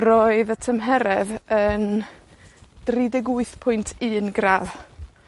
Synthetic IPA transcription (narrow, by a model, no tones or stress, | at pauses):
roɨðətʰəmɦɛɾɛðən | d̥ridɛɡuɨθpʰʊjntʰɨːnɡrað